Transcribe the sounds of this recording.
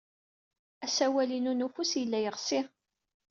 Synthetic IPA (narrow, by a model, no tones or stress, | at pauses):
æsæwælinunufusjəlːæjəʁsi